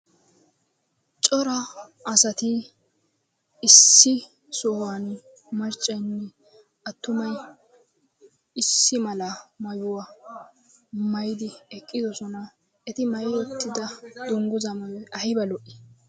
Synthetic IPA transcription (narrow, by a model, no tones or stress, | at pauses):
t͡ʃʼɔɾɐː | sɐt̪ɪ | ɪsːɪ | sɔhan | mɐɾt͡ʃʼːɐjnːɛ | ɐt̪ːʊmɐj | ɪsːɪmɐlɐmɐjʊwɐ | mɐjd̪ɪɛkʼːɪd̪ɔsɔnɐ | ɛt̪ɪmɐjwɔt̪ːɪd̪ɐd̪ʊŋɡʊzɐmɐwɛɐhɪbɐlɔʔɪ̥